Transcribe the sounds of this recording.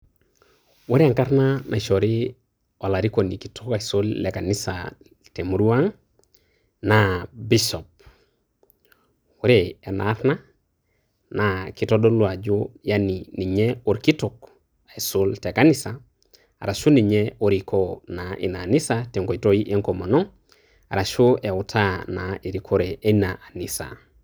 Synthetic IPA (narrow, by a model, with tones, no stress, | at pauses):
wu˦ɾia˨ŋka˦ɾnanʔa˨ʃo˨ɾi˦ | o˨la˨ɾi˦ko˨ni˨ki˨tuka˨iso˦lːe˨ka˨nisa | te˨mu˨ɾu˦a˦ŋ | nabiso˨p̚ | wuɾee˨na̰˦ɾna˦ | naki˨to˦do˦lu˨a˨d͡ʒujanini˨ɲeo˨ɾki˦tok | esolte˨ka˦nisa̰ː˨ | ɾa˨ʃu˦ni˨ɲeoɾikʰonaʔḭ˨naː˨ni˦sate˨ŋko˨itoi˦ʔe˦ŋkoma˨no˦ | aɾa˨ʃoe˨utʰanae˨ɾikʰo˦ɾeʔe˦naʔa˨nisa̰